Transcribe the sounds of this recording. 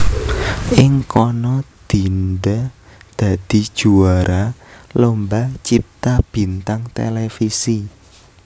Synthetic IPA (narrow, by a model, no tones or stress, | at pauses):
ʔɪŋkɔnɔd̪̥i̤nɖa | d̪̥ä̤d̪̥i̤̥ʒ̥uaɾalombat͡ʃip̚t̪ab̥i̤nt̪aŋt̪ḛlefisi